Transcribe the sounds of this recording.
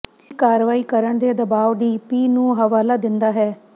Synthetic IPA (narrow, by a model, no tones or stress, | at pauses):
kaːɾʋaːiːkəɾəɳd̪eːd̪əbaːʋd̪iːpiːnũːɦəʋaːlaːd̪ɪnd̪aːɦɛː